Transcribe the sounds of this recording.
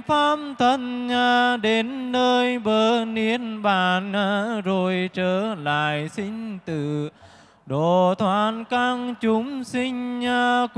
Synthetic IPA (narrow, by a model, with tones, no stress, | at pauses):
faː˧mt̪ʰə˧˨nɲaː˧ɗe˨˦nːəː˧jɓəː˧˩ni˧˦ənɓaː˧˩nʔaː˧˥˦zo˨˩jt͡ɕəː˧˩la̰ː˧˨jsï˧ŋ̟t̪ɨ̰˧˨ | ɗo˧˨˩t̪ʰwaː˧˨˩nka˧ŋt͡ɕʊ˨˦ŋ͡msï˧ŋ̟ɲaː˧k